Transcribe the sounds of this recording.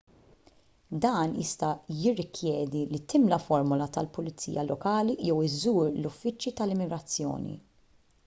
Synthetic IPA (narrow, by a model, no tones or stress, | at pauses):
d̪ɐːnjɪ̰st̪ɐjɪrːɪkʰjɛːd̪ilit̪ɪmlɐfɔɾmʊlɐt̪ɐlpʊlɪt͡sːḭːjɐlɔkɐːlijɛwɪzuːɾlʊfːɪt͡ʃːjit̪ɐlɪmɪɡɾɐt͡sːjɔ̰ːnḭ